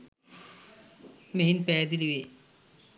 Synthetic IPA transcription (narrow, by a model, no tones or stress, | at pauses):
meɦinpɛːd̪iliʋe